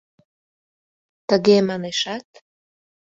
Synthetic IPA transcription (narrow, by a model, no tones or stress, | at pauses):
t̪əɣemɑneʃɑt̪